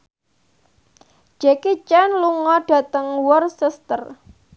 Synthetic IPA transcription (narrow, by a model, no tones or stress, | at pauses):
d͡ʒ̥ɛkit͡ʃɛnluŋɔɖ̥ä̤t̪əŋwɔrsəst̪ər